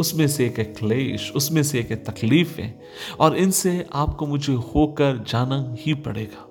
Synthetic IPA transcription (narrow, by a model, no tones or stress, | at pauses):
ʊsmẽseeːkekleːʃʊsmẽseeːket̪ɐkliːfɦɛ̰̃ː | ɔːɾɪnseaːp̚komʊd͡ʒʱehoːkɐɾd͡ʒaːnahipɐ̰ɽḛːɡaː